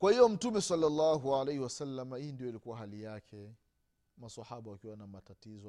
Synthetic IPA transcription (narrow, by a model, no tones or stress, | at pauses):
kwahijɔm̩tumɛsalːalːaːɦualejhiwasalːamahiːndijɔilikuwaɦalijakʰɛ | masahaɓawakiwanamatatizɔ